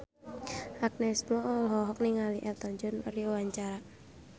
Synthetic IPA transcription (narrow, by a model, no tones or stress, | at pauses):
ʔak̚nɛsmɔlɦɔɦɔk̚niŋaliʔɛlt̪ɔɲd͡ʒɔnɾiwaɲt͡ʃaɾa